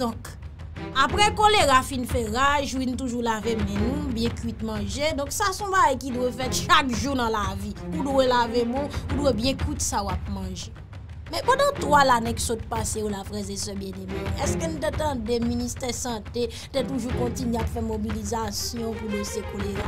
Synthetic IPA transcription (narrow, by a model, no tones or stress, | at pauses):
dɔ̃k | apɣɛkoleɣafinfɛɣaʒʒwinũtuʒulavemɛ̃nũbjɛ̃kɥit̪mãʒedɔ̃ksasɔ̃baɡajkidwefɛtʃakʒunãlaviudwelavemũudwebjɛ̃kwitsawap̚mɑ̃ʒe | mɛ̃pãdãtwalanɛ̃ksot̚paseolafɣɛzesɛbjɛ̃demɛ̃ɛskənũt̬etãdeministɛsɑ̃te | tɛtuʒukɔ̃tineapfɛmobilizasjɔ̃pulesekoleɣa